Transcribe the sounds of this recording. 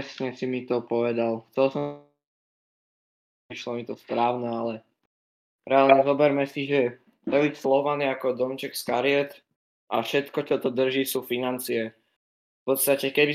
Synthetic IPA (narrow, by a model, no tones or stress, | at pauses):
sɲɛsimit̪ɔpɔʋɛd̪alxt͡sɛlsɔ | iʃlɔmit̪ɔspɾaːʊnɛalɛ | ɾɛalɲɛzɔbɛɾmɛsiʒɛ | t̪ɔicslɔʋaniakɔd̪ɔmt͡ʃɛkskaɾiɛt̪ | ʔa̰fʃɛt̪kɔt͡ʃɔt̪ɔd̪r̩ʒiːsuːfinant͡siɛ | fpɔt̪st̪acɛkɛbi